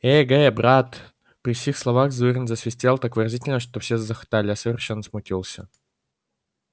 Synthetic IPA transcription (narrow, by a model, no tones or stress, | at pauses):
eɡɛbɾat̪ | pɾʲɪfsʲixslˠɐvaɣzɨrʲənzəsvʲɪsʲt̪ʲelˠt̪akvɨɾɐzʲitʲɪlʲnəʂt̪ofsʲezəxt̪alʲɪasəvʲɪrʂɛnːəsmʊtʲilˠsʲə